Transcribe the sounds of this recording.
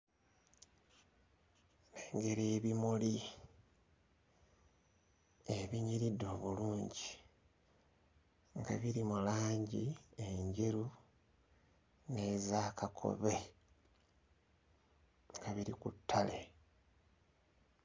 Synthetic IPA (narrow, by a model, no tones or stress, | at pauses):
neːŋɡe̞ɾeːβimoli | eβiɲiɾidːo̞ːβuluːɲɟi | ŋɡa̰βiɾimulaːɲɟieɲɟeɾu | ne̞ːzaːkakʰo̞̰βe̞ | ŋɡaβiɾikutʰːale